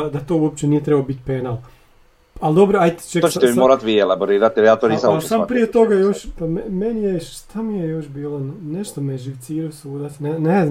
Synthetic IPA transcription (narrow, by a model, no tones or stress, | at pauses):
d̪at̪o̞uop̚t͡ɕenijet̪ɾebaobit̪penalˠ | alˠd̪o̞bɾoajt̪t͡ʃek̪ot͡ʃet̪ɛmimoɾat̪ʋielaboɾiːɾat̪iɾeat̪oɾisasaːmpɾijet̪o̞ɡajoʃpammenijeʃt̪ʰamijejoʃbiːlˠonneʃt̪omeʒiwt̪siːɾosuːd̪asnenez